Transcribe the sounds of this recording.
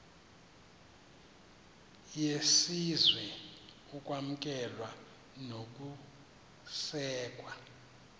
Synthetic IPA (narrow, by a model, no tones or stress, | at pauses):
jesizwɛ | ukʼwam̩k̬ʼɛlwa | nok̬ʼu | sɛːkʼwa